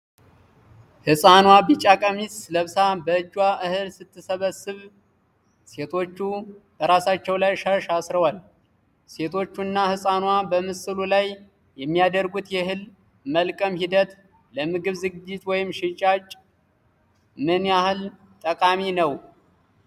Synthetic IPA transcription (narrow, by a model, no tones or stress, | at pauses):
hɨsʼanwabit͡ʃʼakʼəmisləβsabəɨd͡ʒːwaʔɨhɨlsɨt̪ʰːɨsəβəsːɨβ | se̞t̪ʰo̞t͡ʃːub̥əɾasat͡ʃːɛwlajʃəʃasɾəwal | se̞t̪ʰo̞t͡ʃːunːahɨsʼanwabəmɨsɨlulaj | jɛmːijad̪əɾɡut̪jɛhɨl | məlkʼəmhid̪ət̪ | ləmɨɡɨβzɨɡɨd͡ʒːɪt̪ʼwɔjɪmʃɪt͡ʃʼat͡ʃʼ | mɨnjahɨl | t̪ʼəkʼaminəw